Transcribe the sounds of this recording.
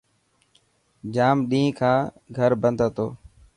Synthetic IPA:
d͡ʒaːmɗĩːkʰãː | ɡʱəɾbənd̪ʱət̪oː

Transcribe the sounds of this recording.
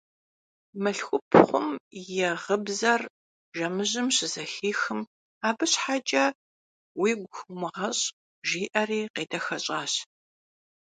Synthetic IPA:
mɐɬxʷʊpʰχʷʊmjɛʁəbzɐr | ʒɐmɨʑɪmɕɪzɐxiːxɨm | aːbɨɕħat͡ʃʼɐ | wiːɡʷʊxmɨʁɐɕʼ | ʒiːʔɐriːqeːdɐxɐɕʼaːɕ

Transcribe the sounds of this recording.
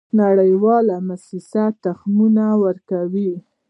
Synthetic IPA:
naɽəjwɑlamasɪsat̪axmunawəɾkawi

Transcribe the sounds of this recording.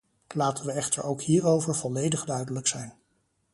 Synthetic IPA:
laːtənʋəɛχtə̰ɹowkɦiːɹowvəɹv̥ɔlejdəχdœɥdələksɛjn

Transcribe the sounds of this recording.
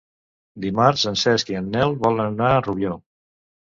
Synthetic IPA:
d̪imaɾsənsɛskiənːɛlˠβɔlənənaəruβjo

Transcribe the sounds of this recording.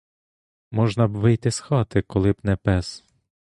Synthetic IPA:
mɔʒnɐbʋɪjt̪ɪsxɑt̪ɪkɔlˠɪbnɛpɛs

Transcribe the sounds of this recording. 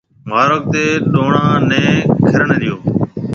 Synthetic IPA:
maːɾoːk̚t̪eːɗoːɳãːnɛ̃ːkʰɪɾəɳɗ̪ɪjoː

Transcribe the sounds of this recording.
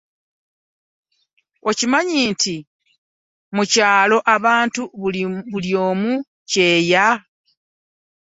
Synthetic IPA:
o̞cimaɲiːntʰi | mucaːlo̞ʔaβaːntuβuβuljo̞ːmu | ce̞ːja

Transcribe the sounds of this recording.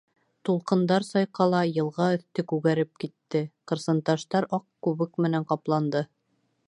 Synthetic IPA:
t̪ulˠqɤ̆nd̪ɑɾsɑjqɑlˠɑjɤ̆lˠʁɑɵ̆θt̪ɘkʉɣæɾɘp̚kit̪ːɘqɤ̆ɾsɤ̆nt̪ɑʃt̪ɑɾɑqkʉβɘkmɘ̆næɴqɑplˠɑnd̪ɤ

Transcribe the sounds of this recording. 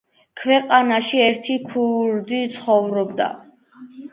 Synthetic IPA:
kʰwɛqʼanaʃiɛɾt̪ʰikʰuɾd̪it̪sʰχɔvɾɔbd̪a̰

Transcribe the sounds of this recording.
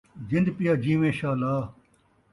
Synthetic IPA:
d͡ʑɪnd̪pijaːd͡ʑiːmẽːɕaːlaː

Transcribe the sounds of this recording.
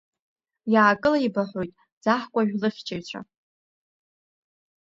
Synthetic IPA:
jaːkʼɨlaibaħʷojtʼ | d͡zaħkʷʼaʒᶣlɨχʲt͡ʃʰʼeɥt͡ɕʷʰa̰

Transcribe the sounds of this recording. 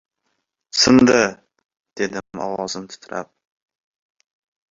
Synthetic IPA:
sɨnd̪a | d̪̥ed̪ɪmɒ̰wɑzɨnt̪ʰʊ̥t̪ʰɾa̰p̚

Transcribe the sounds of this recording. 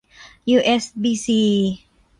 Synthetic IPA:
juʔɛsbisi

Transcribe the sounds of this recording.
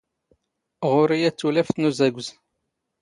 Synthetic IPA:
ʁʊɾijæt͡sːulæft̪nuzæɡʷz

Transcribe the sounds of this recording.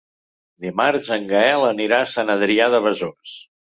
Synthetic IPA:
d̪imaɾzəŋɡəɛləniɾasanəðɾiaðəβəzos

